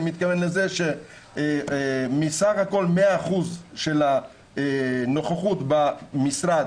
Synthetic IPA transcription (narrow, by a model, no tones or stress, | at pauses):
mit̪kavenleze̞ʃe | misaχhako̞lmeaːχuzʃela | no̞χaχut̪bamisʁad̪